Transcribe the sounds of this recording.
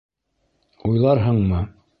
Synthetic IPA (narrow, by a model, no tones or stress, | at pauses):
ujlˠɑɾɦɤɴmɤ